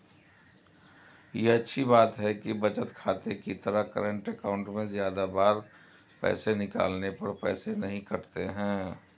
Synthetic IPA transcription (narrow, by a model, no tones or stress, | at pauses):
jeɐtːʃʰibaːt̪ɦɛkibɐt͡ʃət̪kʰaːt̪ekit̪əɾəkəɾə̃ɳʈəkaʊ̃ɳʈmẽzjaːd̪abaːɾ | pɛ̰ːsenɪka̰ːlnepɐɾpɛ̰ːsenɐɦĩkɐɾt̪eɦɛ̃ː